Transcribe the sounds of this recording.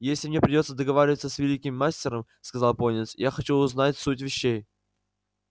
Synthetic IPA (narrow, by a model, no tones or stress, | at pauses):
jesʲlʲɪmnʲepɾʲɪdʲo̞t̪səd̪əɡɐvaɾʲɪvət̪səsvʲɪlʲikʲɪmːasʲtʲɪɾəmskɐzalˠponʲɪt̪sjaxɐt͡ɕuʊznatʲsutʲvʲɪɕːej